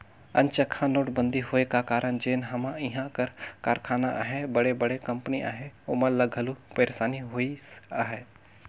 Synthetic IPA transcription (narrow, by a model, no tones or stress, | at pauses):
ɐ̰̃nt͡ʃəkʰãnoːʈbə̃nd̪ʱiɦoːekakaːɾənd͡ʒeːnɦɐmãɪɦãkəɾkaːɾkʰaːnaʔa̰ɦebɐɽebɐɽekɐ̃mpəniʔa̰ːɦeʊməlɐɡʱɐlupeːɾsaːniɦoːiaɦɛː